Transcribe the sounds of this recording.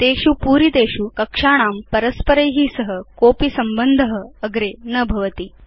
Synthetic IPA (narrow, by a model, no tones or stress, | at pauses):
t̪eːkʂupuːɾit̪eːɕukəkʂaɽ̃aːmpəɾəspəɾejɦiːsəɦəkoːpisɐmbənd̪ʱəɦəəɡɾenəbʱɐʋət̪iː